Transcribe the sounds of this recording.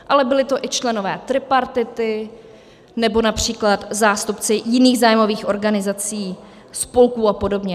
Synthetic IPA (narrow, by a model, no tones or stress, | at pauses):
ʔalɛbɪlɪt̪o̞ʔɪt͡ʃlɛno̞vɛːt̪ɾɪpaɾt̪ɪt̪ɪ | nɛbo̞napr̝̥iːklat̪zaːst̪upt͡sɪjɪniːɣzaːjmo̞viːxʔo̞ɾɡanɪzat͡siː | spo̞lkuːapo̞do̞bɲɛ